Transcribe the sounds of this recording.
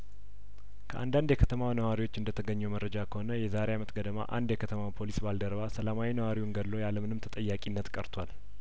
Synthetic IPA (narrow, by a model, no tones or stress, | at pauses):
kʰəʔa̰nd̪and̪jɛkʰət̪ʰəmawnəwaɾiwo̞t͡ʃːɨnd̪ət̪ʰəɡəɲːɛwməɾːəd͡ʒakʰəho̞nəjɛzaɾeamət̪ɡəd̪əma̰ʔa̰nd̪jɛkʰət̪ʰəmawpʰo̞lisbald̪əɾbasəlamawinəwaɾiwunɡədːo̞jaləmɨnɨmt̪ʰət̪ʼəjːakʼinːət̪kʼə̰ɾt̪ʰwal